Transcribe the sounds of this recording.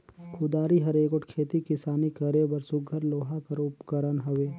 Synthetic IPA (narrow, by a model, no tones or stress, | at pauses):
kʰʊd̪aːɾiɦɐɾeːɡʊʈkʰeːt̪ikɪsaːnikɐɾebɐɾsʊɡʱəɾloːɦakɐɾʊpkəɾənɦɐʋeː